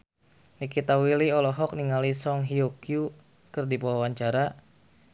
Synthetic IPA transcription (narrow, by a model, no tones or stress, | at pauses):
nikit̪awiliɔlɔɦɔk̚niŋalisɔŋɦiukiju | kɨrdipɔwawaɲt͡ʃaɾa